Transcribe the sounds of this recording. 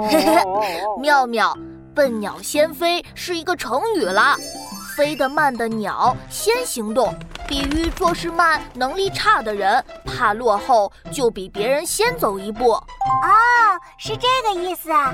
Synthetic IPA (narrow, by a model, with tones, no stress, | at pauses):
mjɑ˥˧ʊmjɑ˨˩˦ʊ | t̪ə˥˩nnjɑ˨˩ʊɕjɛ˥nfe˥ɪʂɻ̩˥˩i˧˥ɡə˥˧ʈ͡ʂʰɤ˧˥ŋy˨˩lə˦fe˥ɪd̪ə˨˩ma˥˩nd̪ə˩njɑ˨˩˦ʊɕjɛ˥nɕi˧˥ŋt̪ʊ˥˩ŋpi˨˩y˧˥t͡swɔ˥˧ʂɻ̩˥˧ma˥˩nnɤ˧˥ŋli˥˧ʈ͡ʂʰa˥˩d̪ə˩ɻə˧˥npʰa˥˧lwɔ˥˧xo˥˩ʊt͡ɕjo˥˩ʊpi˨˩pjɛ˧˥ɻə˧˥nɕjɛ˥nt͡so˨˩ʊi˧˥pu˥˩ɔ˥˩ | ʂɻ̩˥˧ʈ͡ʂɤ˥˩ɡə˩i˥˩sɹ̩˩